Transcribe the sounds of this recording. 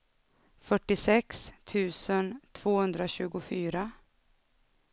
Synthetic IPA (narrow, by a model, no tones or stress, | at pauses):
fœʈːɪsɛkst̪ʰʉ̟ːsənt̪ʰv̥oːhɵnd̪ɾaɕʉ̟ːɡʊfyːɾa